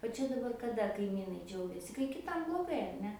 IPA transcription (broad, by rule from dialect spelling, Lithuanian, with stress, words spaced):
oː ˈt͡ʃʲɛ dɐˈbɐr kɐˈdɐ kɐɪˈmʲiːnɐɪ ˈd͡ʒʲɛʊɡʲɛsʲɪ kɐɪ kʲɪˈtɐm blˠoːˈɡɐɪ ɐr ˈnʲɛ